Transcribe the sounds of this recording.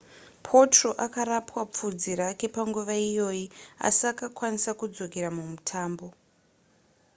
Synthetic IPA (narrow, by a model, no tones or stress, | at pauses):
pʰo̞tro̞ʔakaɾapwap͡fud͡ziɾake̞paŋɡuʋaijo̞ːia̰sakakwanisakud͡zo̞ke̞ɾamumutʰaːmbo̞